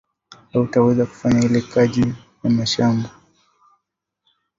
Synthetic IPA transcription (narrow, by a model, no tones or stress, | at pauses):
autawɛzaku̥faɲahilɛkaʄi | jamaʃamba